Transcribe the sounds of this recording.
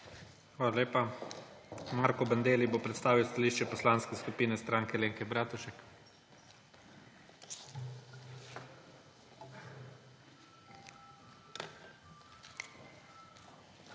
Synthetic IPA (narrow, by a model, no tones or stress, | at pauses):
xʋaːlaleːpa | maɾkɔbɐnd̪eːlibopɾɛt̪st̪aːʋiwst̪aliːʃt͡ʃɛpɔslaːnskɛskupiːnɛst̪ɾaːŋkɛleːŋkɛbɾaːt̪uʃɛk